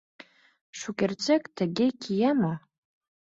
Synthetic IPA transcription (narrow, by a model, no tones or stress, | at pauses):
ʂukʲʼert͡sʼekʼtʰaɡʲekʰʲijama